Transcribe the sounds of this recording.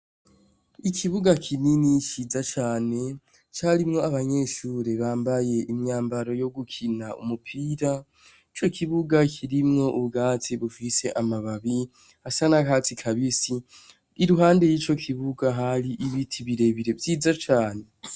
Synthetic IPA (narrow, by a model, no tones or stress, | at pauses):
ikʰiβuɡakʰininit͡ʃiːzat͡ʃaːne̞ | t͡ʃaɾimŋo̞aβaɲe̞ːʃuːɾeβaːmbaje̞ʔimɲaːmbaɾo̞jo̞ɡukʰinaṵmupʰiːɾa | it͡ʃo̞kʰiβuɡakʰiɾimŋo̞ʔuβɡaːtʰiβufise̞ʔamaβaβi | hasanakatikʰaβisi | iɾuɦaːnde̞jiːt͡ʃo̞kʰiβuɡaɦaɾiʔiβitʰiβiɾe̞βiɾe̞vjiːzat͡ʃaːne̞